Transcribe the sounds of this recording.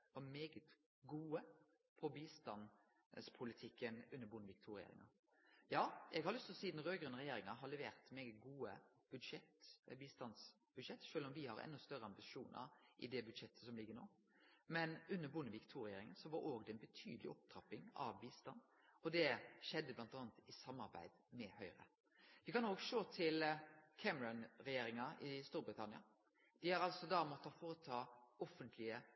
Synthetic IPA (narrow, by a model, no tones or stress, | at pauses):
ʋɑmeːɡət̪ | ɡuːə | pʰɔbiːst̪ɑn | spʰʊlɪt̪ʰɪkːənʉnːəɾbʊnːəʋɪkt̪ʰuːɾɪjḛːɾɪ̰ŋɑ | jɑːɛɡhɑɾlʏst̪ʰlɔsiːd̪n̩ɾøːɡɾʉːnʁɛjeːɾɪŋɑɦɑlɛʋḛːɾt̪meːɡət̪ɡuːə | b̥ʉd̪ʂɛt̪biːst̪ɑns | b̥ʉd̪ʂɛt̪ːʃøːlɔmʋɪhɑɾɛ̰nːɔst̪œɾəɑmbɪʃuːnʔə̰ʔɪ̰d̪ɛbʉd̪ʂɛt̪ːʰə̥sɔmlɪɡːəɾnoː | mɛnʉnːəɾbʊnəʋiːkt̪ʰuːɾɛjeːɾɪŋənsɔʋɑɾʔoːɡd̪ɛɛnbət̪ʰy̰ːd̪lɪ̰ʔɔp̚t̪ʰɾɑpːɪŋɑ̰ʋbiːst̪ɑnː | ɔd̪ɛʃɛd̪ːəblɑnt̪ɑːnt̪ɪsɑmːɑɾbæ̰ɪd̪̥mɛhœʏɾə̰ | ʋɪkɑnoːɡʃoːt̪ʰɪlkʰæməɾɑnɾɛjeːɾɪŋɑʔɪst̪uːɾbɾɪt̪ʰɑnɪɑ̰ | d̪̥ɪhɑɾɑlsɔd̪ɑmɔt̪ʰːɑfoːɾət̪ʰɑːɔfənt̪ʰlɪə